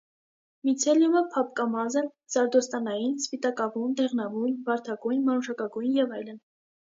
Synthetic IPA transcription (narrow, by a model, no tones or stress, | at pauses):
mit͡sʰɛljuməpʰɑp̚kɑmɑzɛn | zɑɾd̪ɔst̪ɑnɑjinspit̪ɑkɑvund̪ɛʁnɑvujnvɑɾt̪ʰɑɡujnmɑɾuʃɑkɑɡujnjɛvɑjlən